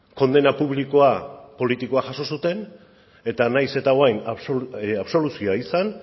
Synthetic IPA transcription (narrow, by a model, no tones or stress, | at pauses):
ko̞nd̪e̞napuβliko̞apo̞lit̪iko̞aʝaso̞sut̪e̞n | e̞t̪anajse̞t̪aoajnasoaβso̞lusioaisan